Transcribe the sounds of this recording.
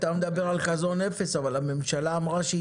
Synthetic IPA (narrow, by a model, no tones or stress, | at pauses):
t̪amed̪abe̞ʁalkazo̞nefe̞savalame̞mʃalaːmʁaʃe